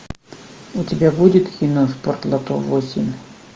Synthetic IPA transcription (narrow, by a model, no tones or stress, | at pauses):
utʲɪbʲabudʲɪt̪kʲinosport̪lˠat̪ovosʲimʲ